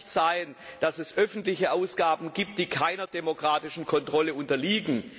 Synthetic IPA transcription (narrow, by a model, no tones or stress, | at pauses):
tz̥aɪənd̥asɛsʔœfn̩tlɪçəʔaʊsɡ̥aːbn̩ɡiːp̚t̚d̥iːkʰaɪnɐdemokʁ̥aːtɪʃn̩kʰɔntʁ̥ɔləʊntɐliːɡŋ̩